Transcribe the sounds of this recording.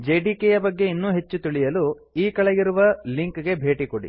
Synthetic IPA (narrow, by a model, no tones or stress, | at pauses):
d͡ʒeːɖiːkejɐbɐɡːe̞inːuːɦe̞t͡ʃːut̪iɭijɐlu | iːkɐɭeɡiɾuʋɐliŋkɡe̞bʱe̞ːʈikoɽḭ